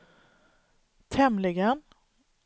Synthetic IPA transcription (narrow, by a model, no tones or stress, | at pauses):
t̪ʰɛmlɪɡən